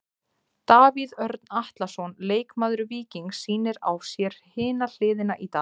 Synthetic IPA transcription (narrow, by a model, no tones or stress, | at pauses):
t̪aːviðœɾt̪naht̪lasɔnleːjkmaːðɾʏviːciŋksiːnɪɾa̰wsjɛɾ̥hɪːnal̥ɪːðɪnaʔit̪aː